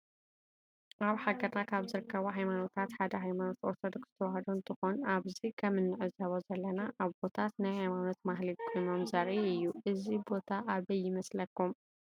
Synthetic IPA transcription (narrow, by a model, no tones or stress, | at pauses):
ʔaβħaɡɐɾnakʰaβzɨɾɨkːɐβoɦajmano̞t̪ʰat̪ħad̪ɐɦajmano̞t̪o̞ɾt̪ʰod̪oksz̥ɨ̥t̪ʰɐwahɐd̪uɨnt̪ʰɨxonaβzikʰɐmɨnːɨʕɨzɐβozɐlːɐnaʔaβbo̞t̪ʰat̪najɦajmano̞t̪maɦlikʰo̞jno̞mzaɾiɨjːuʔɨzibo̞t̪ʰaʔaβɐjːɪmɐslɐkːum